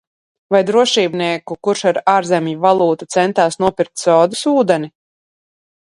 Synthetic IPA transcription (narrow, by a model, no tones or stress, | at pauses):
vajd̪ɾuɔʃiːbniɛkukuɾʃaɾaːɾzɛmjivalˠuːt̪ut̪sɛnt̪aːsnuɔpiɾk̚t̪sɔːd̪usuːd̪ɛni